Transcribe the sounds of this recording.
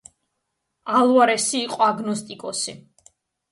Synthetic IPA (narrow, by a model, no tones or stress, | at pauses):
alˠwaɾɛsiːqʼɔaɡnɔst̪ʼikʼɔsi